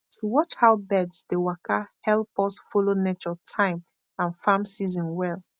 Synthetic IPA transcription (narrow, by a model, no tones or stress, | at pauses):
tʰuwɔt͡ʃhaʊbɛdsdewakʰahɛlˠpɔsfolonet͡ʃɔtʰãɪ̃m | ãnfãmsizɔ̃nwɛlˠ